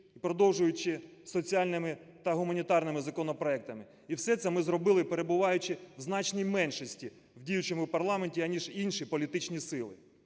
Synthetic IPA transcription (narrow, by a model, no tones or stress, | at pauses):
ipɾɔd̪ɔwʒʊjʊt͡ʃɪ | sɔt͡sʲiɑlʲnɪmɪt̪ɐɦʊmɐnʲit̪ɑrnɪmɪzɐkɔnɔpɾɔɛk̚t̪ɐmɪ | iwsɛt̪sɛmɪzɾɔbɪlˠɪpeɾe̞bʊʋɑjʊt͡ʃɪwznɑt͡ʃnʲijmɛnʃɔsʲtʲi | wdʲijʊt͡ʃemʊwpɐrlˠɑmenʲtʲiɐnʲiʒinʃipɔlʲit̪ɪt͡ʃnʲisɪlˠɪ̰